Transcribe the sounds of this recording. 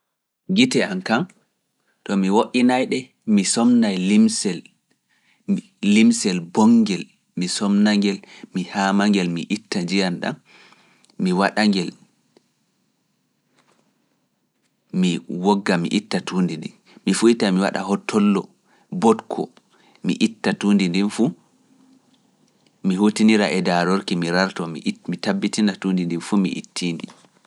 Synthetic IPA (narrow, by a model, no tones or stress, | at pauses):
ɡitɛankam | tɔmiwoʔinajɗɛ | misɔmnajlimsɛl | imsɛlbɔŋɡɛl | misɔmnaŋɡɛlmihamaŋɡɛlmiʔitːad͡ʒijanɗa̰n | miwaɗaŋɡɛl | miwɔɡːamḭʔitːatʰuːndindi | mifuitamiwa̰ɗa̰hɔtʰːɔlːɔ | bɔtkʰɔ̰ | mḭʔitːatuːndindinfu | miɦutiniɾaʔɛdaɾoɾkimiɾaɾtɔmḭmitabːitinatundindinfumḭʔḭtʰːiːndi